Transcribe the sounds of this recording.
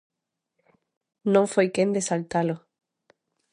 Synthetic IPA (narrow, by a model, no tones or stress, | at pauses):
nõŋfejkend̪esalt̪alo